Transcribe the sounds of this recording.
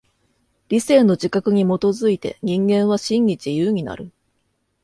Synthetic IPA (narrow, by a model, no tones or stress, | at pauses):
ɾʲisẽ̞nːo̞d͡ʑikakɯ̟ɲ̟imo̞t̪o̞zɨit̪e̞̰ɲ̟ĩŋɡẽ̞ɰ̃β̞aɕĩŋɡʲid͡ʑijɯːɲ̟ina̰ɾɯ̟